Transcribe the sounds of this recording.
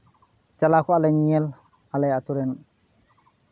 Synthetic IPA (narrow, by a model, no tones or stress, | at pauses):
t͡ʃalakɔalajɲiɛl | alajatuɾɛn